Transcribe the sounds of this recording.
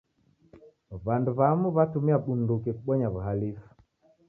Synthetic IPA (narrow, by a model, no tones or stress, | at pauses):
βanduβamuβatumiaɓundukekɓɔɲaβuɦalif